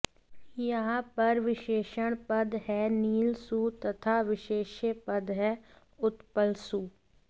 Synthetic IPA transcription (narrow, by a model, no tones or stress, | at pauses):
jəɦãːpəɾʋɪʃeːʃəɽ̃pəd̪ɦɛːniːlsuːt̪ɐt̪ʰaːʋɪʃeːʃəpəd̪ɦɛː | ʊt̪pəlsuː